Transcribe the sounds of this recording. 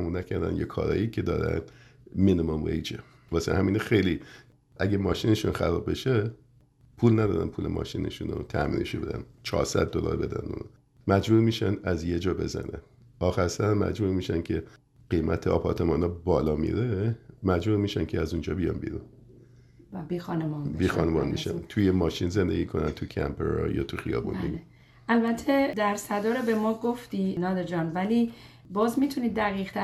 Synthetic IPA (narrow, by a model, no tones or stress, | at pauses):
munæcʰæɾd̪æ̰njekʰɒ̰ːɾɒ̰ːjicʰed̪ɒ̰ːɾæ̰nmenomomɾḛjd͡ʒe | vɒːsḛhæmiːnxejli | ʔæɟemɒːʃineʃunxæɾɒːbːe̞ʃe | pʰuːlnæd̪ɒːɾæ̰npʰuːlemɒ̰ːʃiːnḛʃuno̰t̪ʰæmḭːneʃube̞d̪æ̰nt͡ʃʰɒ̰ːɾsæ̰d̪̚ːolɒ̰ːɾbe̞d̪æ̰nṵno | mæd͡ʒbuːɾmiːʃænæzjed͡ʒɒːbe̞zæ̰nʔæn | ɒːxæɾsæɾmæ̰d͡ʒbuːɾmiːʃæncʰe | ɢ̥ejmʔæt̪ʰeɒ̰ːpʰɒɾt̪ʰemɒːnɒːbɒːlɒːmḭɾemæd͡ʒbuːɾmiːʃæncʰeæzund͡ʒɒːbijɒ̰nbḭɾun | biːxɒnemɒnbiːxɒːnebɒːnmḭʃænt̪ʰujemɒːʃinze̞nd̪e̞̰ɟiːkʰo̞nænt̪ʰucʰæ̰mpʰeɾɒ̰jɒ̰ːt̪ʰuxijɒ̰ːbṵnːbḛl | ælbæt̪ʰːed̪æɾsæd̪ɒːɾebemɒːɡoft̪iːnɒːd̪ed͡ʒɒːnvæliː | bɒːzmit̪ʰuniːd̪ːæɣiːʁt̪ʰæ